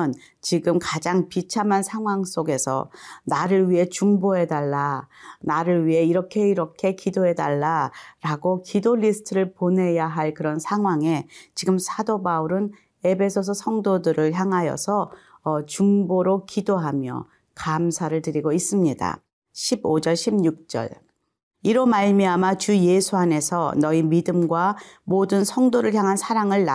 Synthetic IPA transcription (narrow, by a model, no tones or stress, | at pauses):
n | t͡ɕiɡɯmkad͡ʑaŋpit͡ɕʰamansʰaŋɦwaŋs͈oɡe̞sʰʌ̰naɾɯɭɥiɦe̞t͡ɕuŋboɦe̞daɭːanaɾɯɭɥiɦe̞iɾʌkʰe̞iɾʌkʰe̞kidoɦe̞daɭːaɾaɡokidoʎːisʰɯ̥tʰɯɾɯɭpone̞jaɦaɭkɯɾʌnsʰaŋɦwaŋe̞t͡ɕiɡɯmsʰadobauɾɯn | e̞bʰe̞sʰos̬ʰʌsʰʌŋdodɯɾɯɭçjaŋɦajʌ̰sʰʌː | t͡ɕuŋboɾokidoɦamjʌ̰ | kamsʰaɾɯɭtɯɾiɡois͈ɯmɲida̰ | ɕʰibod͡ʑʌɭɕʰimɲuk̚t͡ɕ͈ʌ̰ɭ | iɾomaɭmiamat͡ɕuje̞sʰuane̞sʰʌnʌimidɯmɡwamodɯnsʰʌŋdoɾɯɭçjaŋɦansʰaɾaŋɯɭː